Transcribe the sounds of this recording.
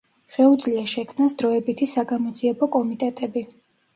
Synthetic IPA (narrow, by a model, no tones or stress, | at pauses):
ʃɛud̪zliaʃɛkʰmnasd̪ɾɔɛbit̪ʰisaɡamɔd̪ziɛbɔkʼɔmit̪ʼɛt̪ʼɛbi